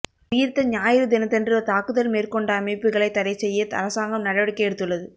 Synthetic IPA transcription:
ʊjɪɾt̪ɐɲaːjɪɾɯd̪ɪnɐt̪ːɛndrɯt̪aːkɯðɐlmeːrkɔɳɖɐːmɐɪpːɯɣɐɭɐɪt̪ːɐɾɐɪt͡ʃːɛjːɐt̪ɐ̰ɾɐsaːŋɡɐmnɐɽɐʋɐɽɪkːɐɛɽɯt̪ːɯɭːɐðɯ

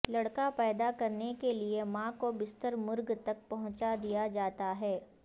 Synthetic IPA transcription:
lɐɽkapɛːd̪akɐɾnekeliemãːkobɪst̪əɾmʊɾɡt̪ɐk̚pɐɦʊ̃t͡ʃad̪ijad͡ʒaːt̪aɦɛː

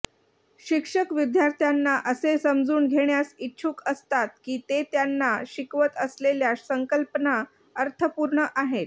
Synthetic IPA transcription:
ɕikʂəkʋid̪ʱjaɾt̪ʰjanːaʔəsesəmd͡zuːnɡʱeɳjasitːɕʰuːkəst̪at̪̚kiːt̪et̪janːaɕikʋət̪əsleljasəŋkəlpəna | əɾt̪ʰəpuɾɳəʔaɦet̪

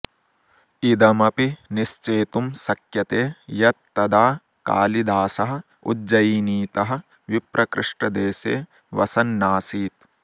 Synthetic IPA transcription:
id̪ɐmɐpiniʃt͡ʃeːt̪umsɐkjɐt̪eːjɐt̪ːɐd̪aː | ka̰ːlid̪aːsɐɦɐ̆ | ṵdd͡ʒɐjiniːt̪ɐɦɐ̆ | ʋipɾɐkɾɪʂʈɐd̪eːseː | ʋɐsɐnːaːsiːt̪̚

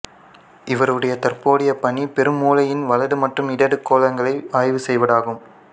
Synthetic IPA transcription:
ʔɪʋɐɾɯɽɐjɐt̪ɐrpoːɽɪjɐpːɐɳipɛɾɯmːuːlɐjɪnʋɐlɐðɯmɐʈrɯmɪɽɐɽɯkːoːlɐŋɡɐɭɐɪaːjʋɯsɛjʋɐɽaːɣɯm

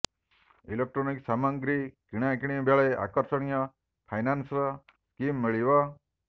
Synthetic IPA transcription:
ilek̚ʈɾoniksamaŋɡɾikiɽ̃akiɽ̃ibjaɭɔʔa̰kɔɾsɔɽ̃ija | pʰajnansɾa | skimːeɭiʋa

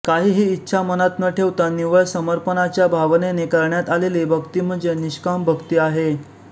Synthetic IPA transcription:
kaɦiːɦiːtːɕʰamənat̪nəʈʰeʋt̪aniʋəɭsəməɾpənat͡ɕjabʱaʋnenekəɾɳjat̪alelebʱəkt̪iːm̤əɳd͡zeniɕkambʱəɡt̪iːaɦe

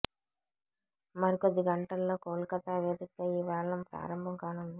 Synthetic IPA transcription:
mɐɾikod̪ːiɡɐɳʈɐlːo̞ːkoːlkɐt̪aːʋeːd̪ikɐiːʋɛːɭːɐmpɾa̰ːɾɐmbʱɐmkaːnund̪i

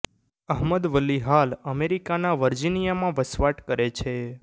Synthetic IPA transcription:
əɦməd̪ʋəlːiɦaləmeɾikanaʋəɾd͡ʒinijamãʋəsʋaʈkəɾet͡ʃʰe

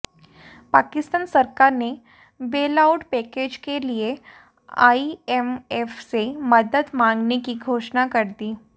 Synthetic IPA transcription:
pakist̪aːnsəɾkaɾne | belauʈpɛked͡ʑkelie | a̰iemefseməd̪əd̪mãŋɡnekiːɡʱoʂnakəɾt̪iː

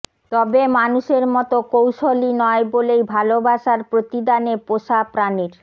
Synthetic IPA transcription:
t̪ɔbemanuʃeɾmɔt̪okowʃolinɔebolejbʱalobaʃaɾpɾot̪id̪anepoʃapɾaneɾ

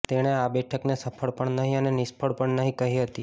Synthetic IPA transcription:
t̪eɽ̃eabɛʈʰəknesəpʰəɭpəɭnəɦĩənenɪspʰəɭpəɳnəɦĩkəɦiɦət̪i

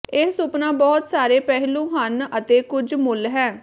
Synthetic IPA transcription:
ɪsʊpnãːbɔːt̪saːɾeːpɛɦlũːɦənət̪eːkʊd͡ʒmʊlɦɛː

